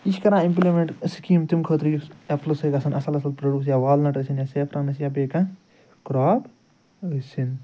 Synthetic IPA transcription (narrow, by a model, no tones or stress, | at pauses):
iʃkɐɾãːĩmplimeɳʈskiːmt̪imkʰəːt̪ɾjueplsɐɡɐsɐnɐsɐlɐsɐlpɾɐɖuːs̬jaːʋaːlnɐʈəsinjaːseːpʰɾaːnɐsjaːbeːkã | kɾaːb | əsin